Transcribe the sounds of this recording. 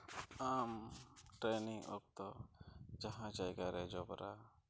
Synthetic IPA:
amʈɾeniŋɔ̰k̚t̪ɔd͡ʒaɦãd͡ʒajɡaɾɛd͡ʒɔbɾʔa

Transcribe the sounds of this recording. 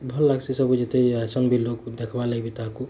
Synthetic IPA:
bʱəlːaɡsisəbud͡ʒet̪esəŋɡbʱilokd̪ekʰbaləjbit̪aɦaku

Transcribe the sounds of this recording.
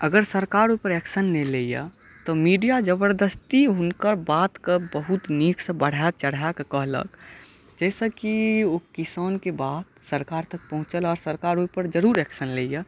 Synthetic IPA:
əɡəɾsəɾkaːɾupəɾɛːksənːeleːija̰ | t̪ɔmiːɖijad͡ʒəbəɾd̪əst̪iɦʊnkəɾbaːt̪kəbəɦʊt̪niːksə̃bəɽ̤at͡ʃəɽ̤akkəɦlə̰ɡ | d͡ʒɛːsekiokɪsaːnkebaːd̪səɾkaːɾt̪ək̚pəɦʊ̃t͡ʃəlɔːɾsəɾkaːɾupəɾd͡ʒəɾuːɾɛːksənleja

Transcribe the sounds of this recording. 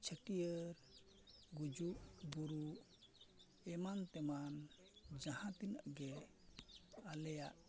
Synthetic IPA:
t͡ʃʰəʈijəɾ | ɡud͡ʒuʔbuɾuʔ | ɛmant̪ɛman | d͡ʒahãt̪inaʔɡɛ | alɛja̰ʔ

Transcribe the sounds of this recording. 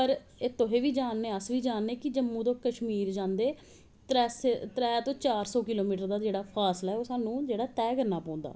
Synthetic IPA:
pəɾ | ɪt̪õɦeːʋiːd͡ʒaːnːeːəsʋiːd͡ʒaːnːeːkɪd͡ʒəmːũːt̪õːkəʃmiːɾd͡ʒãːnd̪eː | t̪ɛːst̪ɾɛːt̪õːt͡ʃaːɾsɔːkɪloːmiːʈəɾd̪aːd͡ʒeːɽaːpʰaːslaɦɛoːsaːnũːd͡ʒeːɽaːt̪ɛːkəɾnaːpaːʊ̃nd̪a̰ː

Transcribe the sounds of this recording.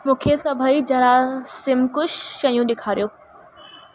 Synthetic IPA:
mũːkʰesɐbʱəid͡ʑɐɾasɪmkʊʃːɐjũɗɪkʰaːɾijoː

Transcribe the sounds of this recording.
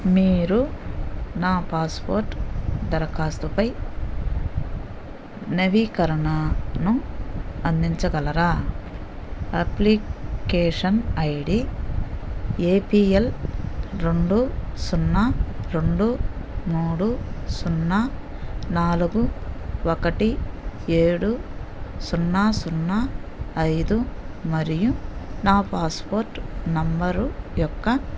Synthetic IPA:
miːɾu | naːpaːspoːɾʈd̪ɐɾɐkaːst̪upɐj | nɐʋikɐɾɐɳɐnu | ɐnd̪iɲt͡ʃɐɡɐlɐɾaː | ɐplikeːʂɐnɐjɽi | eːpiːel | ɾe̞ɳɖusunːaɾeɳɖumuːɽusunːanaːluɡuʋɔkɐʈieːɽusunːasunːaɐjd̪umɐɾijunaːpaːspoːɾʈnɐmbɐɾujɔkːɐ

